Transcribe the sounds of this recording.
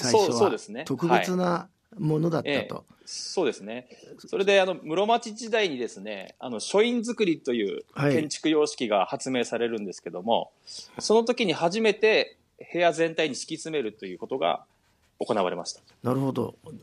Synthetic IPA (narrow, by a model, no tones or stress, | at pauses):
oːso̞ːd̪e̞sɨne̞t̪okɯbeiɨna | mo̞no̞d̪at̪ːeːaːt̪o̰ | so̞ːd̪e̞sɨne̞so̞ɾe̞d̪e̞ano̞mɯ̟ɾo̞mat͡ɕiʑid̪aiɲ̟id̪e̞sɨne̞̰a̰no̞ɕo̞ĩnzɨkɯ̟ɾʲit̪o̞jɯ̟̰ːhakẽ̞ɲ̟t͡ɕi̥kɯ̟jo̞ːɕi̥kʲiɡahat͡sɨme̞ːsaɾe̞ɾɯ̟̃nd̪e̞sɨ̥ke̞d̪o̞mo̞̰ | so̞no̞t̪o̞kʲiɲ̟ihaʑime̞t̪e̞ | he̞jazẽ̞nt̪aiɲ̟iɕi̥kʲit͡sɨme̞ɾɯ̟t̪o̞jɯ̟ːkot̪o̞ɡa̰ | o̞ko̞naβaɾe̞ma̰ɕi̥t̪ḁ | naɾɯ̟ho̞d̪o̰